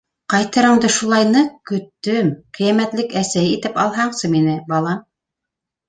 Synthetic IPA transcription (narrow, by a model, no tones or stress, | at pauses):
qɑjt̪ɤ̆ɾɤ̆ɴd̪ɤʃulˠɑjnɤkɵ̆t̪ːɵmqĭjæmæt̪lɘkæsæjit̪ɘpɑlˠɦɑɴsɤminɘbɑlˠɑm